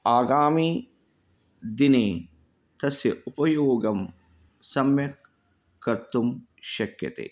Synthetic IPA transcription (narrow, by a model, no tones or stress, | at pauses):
aːɡaːmiː | d̪ineː | t̪ɐsjɐʔupɐjoːɡɐm | sɐmjɐ | kːɐɾt̪um | ʃɐkjɐ̰t̪ḛː